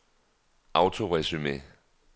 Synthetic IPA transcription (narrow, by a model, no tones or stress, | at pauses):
ʔäʊt͡sʰo̝ʁɛsymḛ